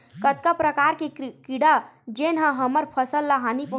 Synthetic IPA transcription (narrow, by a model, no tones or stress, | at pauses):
kət̪̚kapɾəkaɾkekiɽad͡ʒenɦãɦəməɾpʰəsəlːəɦanipə